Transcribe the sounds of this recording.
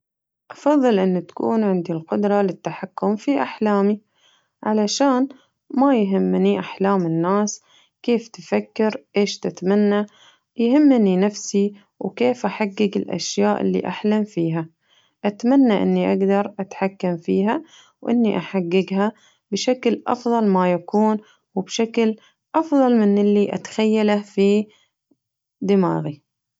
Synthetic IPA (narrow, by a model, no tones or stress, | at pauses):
ʔɑfɑðˤːɨlʔɪnːut̪ḁkṵːnʕɪnd̪ilqʊd̪ɾˤɑlɪt̪ːaħakːʊmfiʔaħlaːmi | ʕalaʃaːn | majɦɪmːniʔaħlaːmɪnːaːs | keːft̪ɪfakːɪɾʔeːʃt̪ɪt̪amanːa | jhɪmːninafsi | wkeːfʔaħaɡːɪɡɪlʔa̰ʃjaːʔɪ̰lːḭʔa̰ħlamfiːɦa | ʔat̪manːaʔɪ̰nːiʔaɡd̪ɑɾˤʔat̪ħakːamfiːɦa | wʔɪ̰nːiʔaħaɡːɪɡɦa | bʃaklʔɑ̰fðˤɑlmajakuːn | wɪbʃakl | ʔɑfðˤɑlmɪnʔɪlːiʔa̰t̪ḁxajːalafi | d̪ɪma̰ːɣi